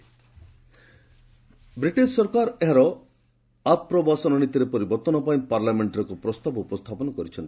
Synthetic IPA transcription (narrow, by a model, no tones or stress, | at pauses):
bɾiʈessɔɾkaɾeɦaɾɔ | apːɾɔbasɔnɔnit̪iɾepɔɾibɔɾt̪ɔnɔpaĩpaɾlameɳʈaɾɔkupɾɔst̪abɔupɔst̪ʰapɔnɔkɔɾit͡ʃʰɔnt̪i̥